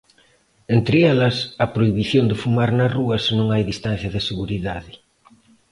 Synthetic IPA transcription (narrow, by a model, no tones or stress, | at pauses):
ent̪ɾɪɛlɐsɐpɾoiβiθjond̪ɪfumaɾnɐsruɐsnõŋajðist̪an̟θjɐðɪseɣuɾiðaðɪ